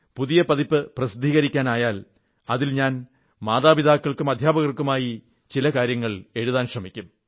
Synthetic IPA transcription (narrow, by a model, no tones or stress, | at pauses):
puðijɐpɐðipːɨprɐsid̪ʱiːɣɐɾikʲːaːnaːjaːl | ɐðilɲaːn | maːðaːbid̪aːkːɐɭkɨmɐd̪ʱjaːbɐɣɐrkːumaːji | t͡ɕilɐkaːɾjɐŋːɐɭe̞ɻuðaːnɕrɐmikʲːum